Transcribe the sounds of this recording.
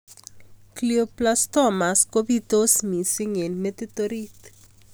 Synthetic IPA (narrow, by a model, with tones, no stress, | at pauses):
klioplast̪ɔma˨sko˦bit̪o˦smi˨sɪ˦ŋe˨nːe˦t̪ɪt̪oɾi˦t̪